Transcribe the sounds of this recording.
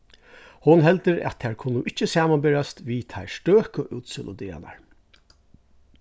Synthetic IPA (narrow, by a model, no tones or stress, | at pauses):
hʊnɦɛlt̪ɪɾæ̰t̪t̪ʰːɛɹkʰʊnːʊʔɪt͡ʃːəsaːmanbɪɾast̪ʋit̪ʰaɪsʈøːkəʔʉːt̪səlʊ̰d̪ɪːa̰na̰ɹ